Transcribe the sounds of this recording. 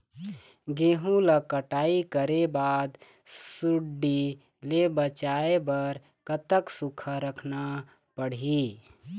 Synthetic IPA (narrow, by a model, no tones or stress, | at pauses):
ɡeɦũləkəʈaːikəɾebaːd̪ | suɖi | lebət͡ʃaebəɾ | kət̪əksukʰəɾəkʰna | pəɽi